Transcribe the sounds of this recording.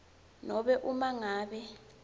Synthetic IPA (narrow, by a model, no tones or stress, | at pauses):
nɔɓɛʔumaŋaːɓɛ